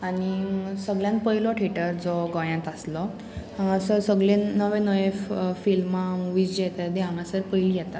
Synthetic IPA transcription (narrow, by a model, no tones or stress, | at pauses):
aɽ̃isəɡɭjãnpəɦjlɔʈʰeʈəɾd͡zɔɡɔ̃jãt̪əslɔ | əsəsəɡɭenəʋẽnəʋẽfilmamuʋid͡ʑjɛt̪əd̪ɛãmãsəɾpəjlijɛt̪at̪